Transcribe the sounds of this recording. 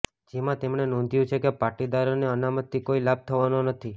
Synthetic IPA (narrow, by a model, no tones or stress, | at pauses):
d͡ʒemãt̪emɳenõnd̪ʱjũt͡ʃʰekepaʈid̪aɾoneənamət̪ːikoilab̚t̪ʰəʋanonət̪ʰi